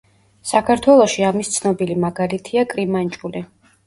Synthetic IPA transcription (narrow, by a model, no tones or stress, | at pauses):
sakʰaɾt̪ʰwɛlˠɔʃiamist̪sʰnɔbilimaɡalit̪ʰiakʼɾimant͡ʃʼuli